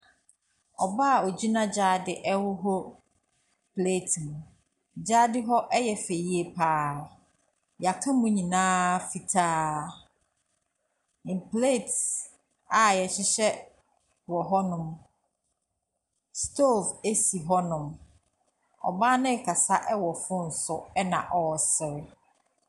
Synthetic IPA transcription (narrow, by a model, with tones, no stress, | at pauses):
ɔ˨ba˦˨o˨d͡ʑi˦nã˦d͡ʑaː˦dɪ˨ʔɛ˦wʊ˦ɦɔ˦ | pʰleː˦˨tʰmũ˨ | d͡ʑaː˦dɪ˦ɦɔ˦ʔɛ˦jɛ˨fe˨ji˦e˨pʰaː˦ | ja˨kʰã˦mʊ̃˦ɲĩ˨nãː˦fi˨tʰaː˦ | ɪ̃˨mpʰleː˦˨t | a˨jɛ˨ɕɪ˦ɕɛ˦ | wɔ˨ɦɔ˦nʊ̃˨m | stʰo˦˨ve˦si˨ɦɔ˦nʊ̃˨m | ɔ̰˨ba˦nɪ̃˦˨kʰa˨sa˦ʔɛ˦wɔ˨fʊ̃˦n̩˨sʊ˦ɛ˦nã˨ʔɔ˨sɪ˨ɾɪ˦